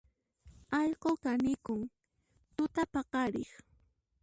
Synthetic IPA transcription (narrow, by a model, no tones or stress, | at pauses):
ɑʎqokanɪkʊŋ | t̪ʊt̪apɑqɑɾɪχ